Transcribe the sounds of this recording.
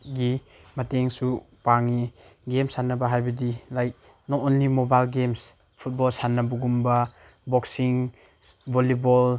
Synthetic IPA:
ɡi | mɐteŋsu | paŋiɡemsanɐbɐɦajbɐdilajk̚ | nɔɔnlimobajlɡems | pʰut̚bɔlsanɐbuɡumbɐ | bɔksiŋ | bolibol

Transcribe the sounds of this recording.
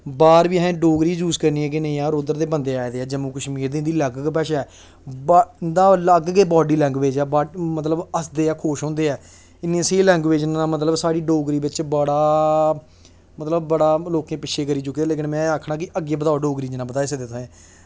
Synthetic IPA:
baːɾbiːɦɛ̃ːɖoːɡɾiːd͡ʒuːzkəɾniːɛːk̬ɪnəĩːãːɾoːd̪əɾd̪eːbənd̪eːaːed̪eːɛːd͡ʒəmuːkəʃmiːɾd̪ẽːnd̪iːləɡkpɛːʃɛɛː | bnd̪aːləɡɡeːbɔːɖiːlɛ̃ːŋɡʋeːd͡ʒɛːbaːmət̪ləbəsd̪eːɛːkʰoːʃɦõːnd̪eːɛː | ɪnːẽseːlɛ̃ːŋɡʋeːd͡ʒnãːmət̪̬ləbsaːɽiːɖoːɡɾiːbɪt͡ʃbəɽaː | mət̪ləbːəɽaːloːkẽːpɪt͡ʃʰeːkəɾiːt͡ʃʊkːiːɛːleːk̬ɪnmɛ̃ːaːkʰɽaːkɪʔəɡeːbət̪aːoɖoːɡɾiːd͡ʒɪnãːbət̪aːeːsed̪eːt̪ʰːẽː

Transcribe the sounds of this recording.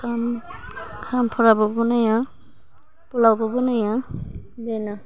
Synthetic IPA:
kʰam | kʰampʰɔɹabɔbɔnaja | pɔlawbɔbɔnajadɛna

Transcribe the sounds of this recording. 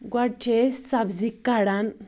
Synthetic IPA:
ɡwaʈʰesabzikːaɽan

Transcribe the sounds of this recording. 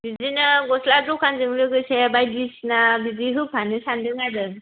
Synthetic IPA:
bizinɯɡɔsladɔkʰanzɯŋlɯɡɯsebajbisnabiziɦɯpʰanɯsandɯŋadɯ

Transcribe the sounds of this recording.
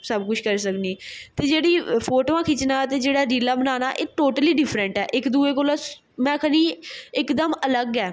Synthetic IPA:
səbkʊt͡ʃʰkəɾsəkniːt̪eːd͡ʒeːɽiːpʰoːʈoːãːkʰɪt͡ʃnaːt̪eːd͡ʒeːɽaːɾiːlaːbənaːnaːʔeːʈoːʈəliːɖɪpʰɾəɳʈɛːʔɪkd̪uːeːk̬oːlaː | mɛ̃ːkʰəniːɪkd̪əmələɡɛː

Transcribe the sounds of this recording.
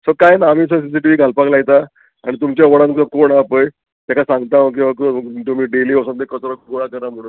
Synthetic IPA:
səkajnaːmiːs̬əs̬is̬iʈiʋiːɡʱalpaklaɡt̪a | a̰ɽ̃it̪̬umt͡ɕjaʋəɽãnkəkoɳapəj | t̪jakasãŋɡt̪aʋk̬ĩwʋakt̪um̤iːɖeliːosãt̪ekət̪ɾəkoɽakəɾam̤əɽuːn

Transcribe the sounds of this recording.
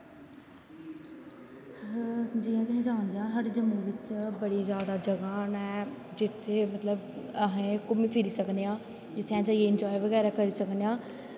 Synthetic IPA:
d͡ʒiːãːkəɦẽːd͡ʒãːnd̪ejãːsaːɖeːd͡ʒəmiːʋɪt͡ʃbəɽiːzjaːd̪aːd͡ʒəɡãːnɛːd͡ʒɪt̪ʰːeːmət̪ləbəɦẽːkʊmĩːpʰɪɾiːsəkneãː | d͡ʒɪt̪ʰeãːd͡ʒaːieɪnd͡ʒaːiʋəɣɛːɾaːkəɾiːsəknejãː

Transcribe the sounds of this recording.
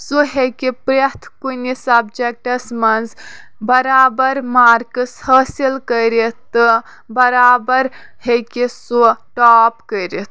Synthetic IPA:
soɦekepɾet̪ʰkuinisəb̚d͡ʒek̚ʈəsmɐnzbəɾabəɾmaɾkəshəsilkəjɾet̪ə | bəɾabəɾ | hekesoʈɔpkəɾet̪ʰ

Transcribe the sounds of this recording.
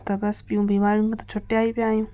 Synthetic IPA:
t̪ɐbɐspɪjũbiːmaːɾũŋɡt̪ɐ̥t͡ʃʰoʈːeaːibjaːjũː

